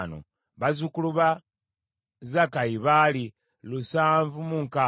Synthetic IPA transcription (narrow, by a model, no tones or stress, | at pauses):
no̰ | βazukuluβa | zakajiβali | lusaːɱvumuŋka